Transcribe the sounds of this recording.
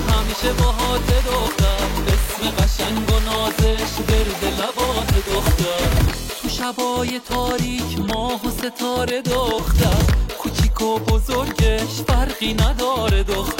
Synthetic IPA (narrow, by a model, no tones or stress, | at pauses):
hæmiːʃebɒɦɒːt̪ʰed̪oχt̪æmbesmiɡæʃæŋɡonɒːzeʃbeɾd̪elæbɒːned̪oχt̪æ | t̪ʰuʃæbɒːje̞t̪ʰɒːɾiːkʰmɒːɦose̞t̪ʰɒːɾe̞d̪oχt̪æmkʰut͡ʃʰiːkʰobozoɾɡeʃbæɾɣiːnæd̪ɒːɾed̪oxt̪